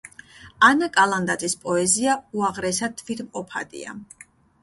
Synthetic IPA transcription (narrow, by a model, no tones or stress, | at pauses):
anakʼalˠand̪at̪zʼispʼɔɛziauaʁɾɛsat̪ʰvit̪mqʼɔpʰa̰d̪ʼḭa̰